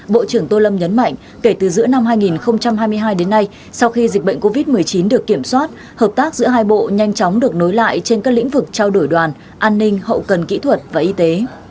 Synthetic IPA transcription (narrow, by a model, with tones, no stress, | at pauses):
ɓo̰˧˨t͡ɕɨ˧˩əŋt̪o˧lə˧mɲə˨˦nma̰˧˨jŋ̟ | ke˧˩t̪ɨ˨˩zɨ̰˧˥əna˧mɦaː˧jŋi˨˩nxə˧wŋ͡mt͡ɕa˧mɦaː˧jmɨ˧əjɦaː˧jɗe˨˦nːa˧j | sa˧wxi˧zi˨˩ɓə̰˧˨ŋ̟ko˧vi˦˥t̚mɨ˨˩əjt͡ɕi˨˦nɗɨ˨˩əkːi˧˩əmswaː˦˥t̚ | həː˨˩p̚t̪aː˦˥k̚zɨ̰˧˥əɦaː˧jɓo̰˧˨ɲa˧jŋ̟t͡ɕɔ˨˦wŋ͡mɗɨ˨˩ək̚no˨˦jla̰ː˧˨jt͡ɕe˧nkaː˦˥lḭ̈˧˥ŋ̟vɨ˨˩k̚t͡ɕaː˧wɗo˧˩jɗwaː˨˩n | ʔaː˧nːï˧ŋ̟hə̰˧˨wkə˨˩nkḭ˧˥t̪ʰwə˨˩t̚vaː˨˩ʔi˧t̪e˨˦